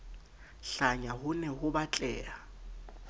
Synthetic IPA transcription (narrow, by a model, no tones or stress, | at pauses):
ɬaɲahʊnɛhʊbat͡ɬʼɛːa